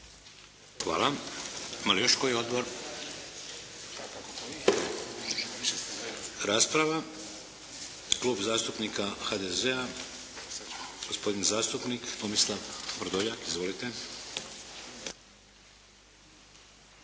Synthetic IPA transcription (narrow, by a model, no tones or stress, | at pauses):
xʋa̰ːla | malijoʃkojeo̞d̪boɾ | ɾaːspɾaʋa | kluːbzaːst̪upnikaxad̪ezea | ɡ̥ospo̞d̪inzaːst̪upnikt̪omislˠaʋmɾd̪ojakizʋo̞lit̪e̞